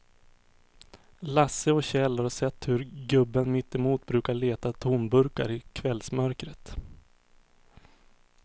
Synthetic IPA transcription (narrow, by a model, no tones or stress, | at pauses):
lasːəɔɕɛlːhaɾsɛt̪ːhɵɾɡɵbːənmɪt̪ːɛmuːt̪̚bɾʉ̟ːkaɭeːt̪at̪ʰuːnbɵɾka̰ɾɪkʰvɛlsmœɾkɾət̪